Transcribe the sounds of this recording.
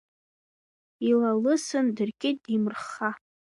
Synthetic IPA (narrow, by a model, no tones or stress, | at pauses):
ilalɨsɨndɨrkʲʼɪt̚dimrχa